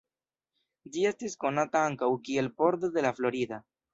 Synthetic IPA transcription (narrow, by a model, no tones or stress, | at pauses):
d͡ʒie̞stisko̞nataaŋkawkie̞lpo̞ɾd̪od̪e̞laflo̞ɾid̪a